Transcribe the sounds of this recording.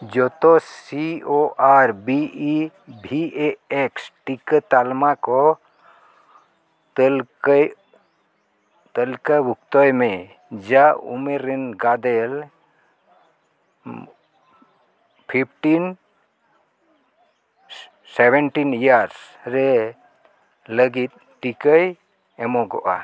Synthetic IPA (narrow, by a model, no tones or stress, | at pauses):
d͡ʒɔt̪ɔsioʔaɾbi | bʱiʔeeksʈikət̪almakɔ | t̪l | t̪əlkabukt̪ɔjmẽ | d͡ʒaṵmeɾenɡad̪ɛl | pʰip̚ʰʈin | sɛbɛnʈinijaɾsɾɛ | ləɡit̪̚ | ʈikəj | ɛmɔɡɔ̰ʔa̰